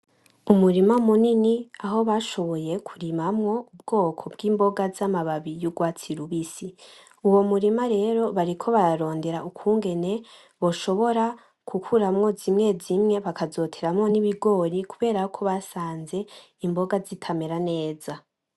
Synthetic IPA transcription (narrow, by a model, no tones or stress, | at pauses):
umuɾimamuniniaɦo̞βaʃo̞βo̞je̞kʰuɾimamŋo̞ub̚ɡo̞ːkʰo̞b̚ɡiːmbo̞ɡazamaβaβijuɡwaːt͡siɾuβisi | uwo̞muɾimaɾe̞ɾo̞βaɾikʰo̞βaɾaɾo̞ːnde̞ɾaukʰuːŋɡe̞ne̞ | βo̞ʃo̞βo̞ɾa | kʰukʰuɾamŋo̞zimŋe̞zimŋe̞βakazo̞tʰeɾamŋo̞niβiɡo̞ɾikʰuβe̞ːɾakʰo̞βasaːnze̞ | imbo̞ɡazitʰameɾane̞ːza